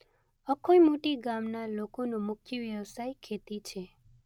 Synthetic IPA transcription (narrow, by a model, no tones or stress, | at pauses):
əkʰojmoʈiɡamnalokonũmʊkʰjəʋjəʋsajkʰet̪it͡ʃʰe